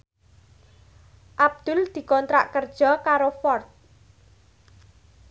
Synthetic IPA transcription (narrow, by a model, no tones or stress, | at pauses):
ʔab̚d̪̥ʊ̤ld̪̥i̤kɔnt̪ɾa̰ʔkərd̥ʒ̥ɔ̤kaɾofɔrt̪̚